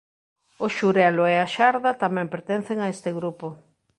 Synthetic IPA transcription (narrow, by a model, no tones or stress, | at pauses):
ʊʃuɾɛloeaʃaɾðɐt̪amɛ̃mpeɾt̪en̟θeŋaest̪ɪɣɾupo